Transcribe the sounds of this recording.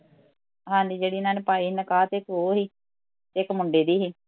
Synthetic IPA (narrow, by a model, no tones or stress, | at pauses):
ɦãːnd̪iːd͡ʒeːɽiːnaːnpaːiːnəkaːt̪eɪkoːɦiː | t̪eːɪkmʊɳɖeːd̪iːɦiː